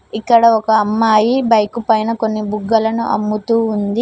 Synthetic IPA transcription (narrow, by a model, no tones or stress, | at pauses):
ikːɐɽɐɔkɐːmːaːjibɐjkupɐjnɐko̞nːibuɡːɐlɐnṵʔɐ̰mːut̪uːnd̪i